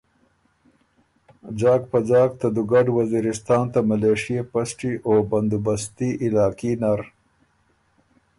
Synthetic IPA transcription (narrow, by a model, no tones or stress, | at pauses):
d͡ʒɑːkpad͡ʒɑːk̚t̪ad̪uɡaɖwaziɾɪst̪ɑːnt̪amaleːʂijepasʈiʔobɐnd̪ubast̪iʔɪlɑːkinaɾ